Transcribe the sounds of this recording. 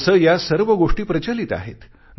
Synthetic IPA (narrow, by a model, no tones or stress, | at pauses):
səːjasəɾʋəɡoʂʈiːpɾət͡ɕəlit̪a̰ɦḛt̪ | n